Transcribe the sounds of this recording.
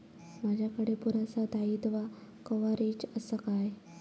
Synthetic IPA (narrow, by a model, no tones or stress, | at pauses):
mad͡ʑʱjakəɽepuɾasat̪ait̪ʋakəʋaɾid͡ʑəsəkaj